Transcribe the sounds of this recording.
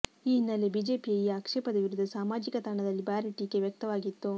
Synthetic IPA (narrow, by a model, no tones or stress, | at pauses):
iːɦinːɐlebid͡ʒeːpijɐiːaːkʂɛːpɐd̪ɐʋiɾud̪ʱːɐsaːmaːd͡ʒikɐt̪aɳɐd̪ɐlːibaːɾiʈikeʋjɐk̚t̪ɐʋaːɡit̪ːu